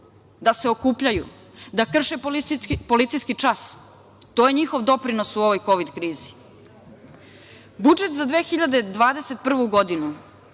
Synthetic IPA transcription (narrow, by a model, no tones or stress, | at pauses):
d̪ase̞o̞kuːpʎaju | d̪akr̩ʃeppo̞lit̪sijskit͡ʂas | t̪ojeɲixo̞ʋd̪o̞pɾino̞suo̞ʋo̞jko̞ʋid̪kɾiːzi̥ | bud͡ʒet̪zad̪ʋeːxiʎad̪ed̪ʋaːd̪e̞set̪̚pr̩ʋuɡo̞d̪inu